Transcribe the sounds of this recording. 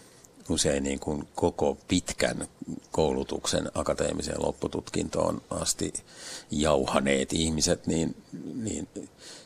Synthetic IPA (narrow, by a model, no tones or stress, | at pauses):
useinniːŋkunkokopit̪kæ̰nkoulut̪uksḛnɑkɑt̪ḛːmisḛːlo̰pːut̪ut̪kint̪o̰ːnʔɑst̪ijɑuhɑneːt̪ihmiset̪niːnnḭːn